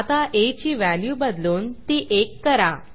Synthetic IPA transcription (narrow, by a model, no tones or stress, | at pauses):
at̪aʔet͡ɕiːʋæljuːbəd̪luːnt̪iːʔekːəɾa